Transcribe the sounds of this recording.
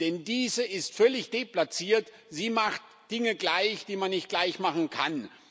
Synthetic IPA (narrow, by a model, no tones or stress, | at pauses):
d̥ɛndiːzəɪstfœlɪçd̥eplat͡siːɐt | ziːmaχt | d̥ɪŋəɡlaɪçd̥iːmanːɪçt̚ɡ̥laɪçmaχn̩kʰa̰n